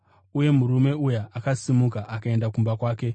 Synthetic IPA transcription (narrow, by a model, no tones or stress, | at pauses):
uje̞muɾume̞ujaʔakasimukaʔakae̞ndakumbakwaːke̞